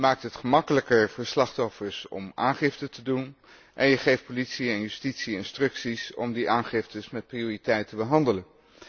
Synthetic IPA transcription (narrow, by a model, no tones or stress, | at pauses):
maːk̚tɦətχəmɑkələkəɹvəɹslɑχtɔfəɹsɔ̰maːnχɪftətədun | ʔɛnjəχejft̚politsiɛnjystitsiɪnstrɵksisɔ̰mdiʔaːnχɪftəsmɛt̚prioːritɛjtəbəɦɑndələn